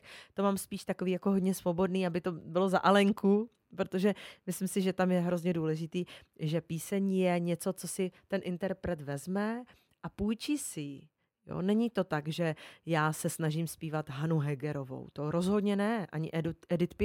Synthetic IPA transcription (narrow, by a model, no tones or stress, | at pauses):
t̪o̞maːmspiːʃt̪ako̞viːjako̞ɦodɲɛsvo̞bo̞dniːabɪt̪o̞bɪlo̞zaʔalɛŋku | pɾot̪o̞ʒɛmɪslɪmsɪʒɛt̪amjɛɦɾo̞zɲɛduːlɛʒɪt̪iː | ʒɛpiːsɛɲjɛɲɛt͡so̞t͡so̞sɪt̪ɛnʔɪnt̪ɛɾpɾɛt̪vɛzmɛ | ʔapujt͡ʃisɪjɪ | jo̰nɛɲɪt̪o̞t̪aɡʒɛjaːsɛsnaʒimspiːvat̪ɦanuɦɛɡɛɾo̞vo̞̰wt̪o̞ɾo̞zɦo̞dɲɛnɛʔa̰ɲɪ̰ʔɛd̪ʔɛdɪt̪pɪ